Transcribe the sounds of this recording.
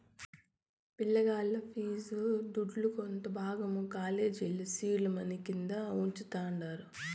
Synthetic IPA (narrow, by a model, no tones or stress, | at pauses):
piɭːɐɡaːlːɐpʰiːsud̪uɖlukont̪ɐbʱaːɡɐmukaːleːd͡ʒilːusiːlɐmɐnikind̪ɐuɲt͡ʃut̪aːɳɖaːɾu